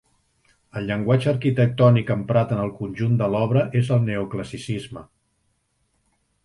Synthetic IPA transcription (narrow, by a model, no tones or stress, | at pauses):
əlˠʎəŋɡwad͡ʒəɾkit̪ək̚t̪ɔnikəmpɾat̪ənəlˠkunʲʒund̪əlɔβɾəʔezəlˠneukləsisizmə